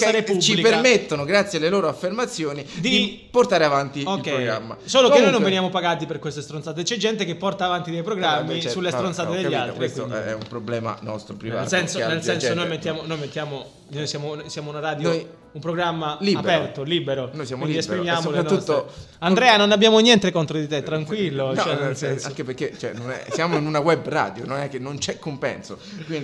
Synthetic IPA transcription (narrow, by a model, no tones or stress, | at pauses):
aɾeput͡ʃilipemet̪ːonoɡɾat̪sːjealːeloːɾoafːermat̪sːjoːnid̪id̪i | port̪aːɾeavant̪ioilkːɛpɾoɡɾa̰mːa̰soːlokenːojnõɱvenjaːmopaɡaːt̪̬iperkwest̪est̪ɾonsaːt̪et͡ʃɛd͡ʒɛnt̪ekepːɔrt̪aːvant̪id̪ejpɾoɡɾamːissulːest̪ɾont̪saːed̪eʎːalt̪ɾikindɛɛ̰ṵmpɾoblɛːma̰nɔst̪ɾopɾinva̰lsɛnsonelsɛnssonojmet̪ːjaːmonojmet̪ːjaːmo | nojsjaːmonosjaːmounaɾaːd̪jnoj | umpɾoɡɾamːaliapɛrt̪oliːbeɾokwnojsjaːminid̪iespɾimjaːmolepɾanːust̪ːo | and̪ɾɛːanonabjaːmonjɛnt̪ekont̪ɾod̪it̪et̪ːɾaŋkwilːoɛnelsɛnsaŋkepeɾket͡ʃɛ̰nonɛ̰sjaːmoinunawɛbra̰ːd̪jononɛkːenːont͡ʃɛkːompɛ̰nso | kwind̪i